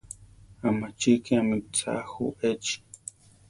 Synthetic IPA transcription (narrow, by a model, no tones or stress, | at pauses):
amat͡ʃikiamit͡sa̰xṵet͡ʃi̥